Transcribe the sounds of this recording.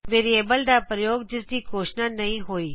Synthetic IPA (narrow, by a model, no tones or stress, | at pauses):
ʋeːɾieːbəld̪aːpɾəjoːɡ̚d͡ʒɪsd̪iːkoːʃnaːnɐɦĩɦoːiː